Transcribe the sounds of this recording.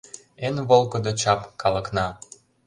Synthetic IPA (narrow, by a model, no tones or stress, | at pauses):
enβolˠkə̆d̪ot͡ɕɑpkɑlə̆knɑ